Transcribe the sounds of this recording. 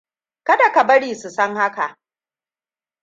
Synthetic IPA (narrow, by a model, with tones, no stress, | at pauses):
kɐ˦da˨ka˨bɐ˦ɽiː˨su˨sɐ˦ŋha˦ka˨ʔ